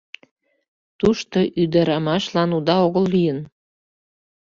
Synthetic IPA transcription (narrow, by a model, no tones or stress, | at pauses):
t̪uʃt̪oʔyd̪ɑɾɑmɑʃlɑnud̪ɑoɣəlːyjən